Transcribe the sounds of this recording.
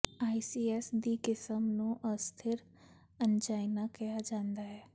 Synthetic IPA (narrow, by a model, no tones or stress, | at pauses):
aːisiːɛːsd̪iːkɪsəmnũːʔəst̪ʰɪɾ | ənd͡ʒaːɪnakɐjad͡ʒãːnd̪aɦɛː